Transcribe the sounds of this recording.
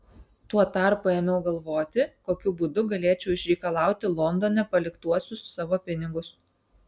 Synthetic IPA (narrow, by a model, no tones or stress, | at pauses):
t̪uɔt̪ɑˑɾpuemʲɛʊɡɐlˠʋoːt̪ʲɪkoːkʲʊbuːd̪ʊɡɐlʲeːt͡ʃʲɛʊɪʃʲɾʲɛɪkɐlˠɑˑʊt̪ʲɪlˠɔnd̪oːnʲɛpɐlʲɪkt̪uɔsʲʊssɑːʋoːpʲɪnʲɪɡʊs